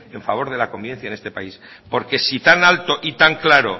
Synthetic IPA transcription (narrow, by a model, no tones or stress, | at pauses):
e̞ɱfaβ̞o̞ɾð̞e̞lako̞mbiβe̞nθjanest̪e̞pa̰is | po̞ɾke̞sit̪analt̪o̞ʔit̪aŋklaɾo̞̰